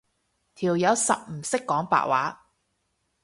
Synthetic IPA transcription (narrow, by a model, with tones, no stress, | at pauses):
t̪ʰiː˨˩wjɐ˨˧wsɐ̰˨p̚m̩˨˩sɪ˥kːɔː˨˥ŋpa̰ː˧˨ʔ̚waː˨˥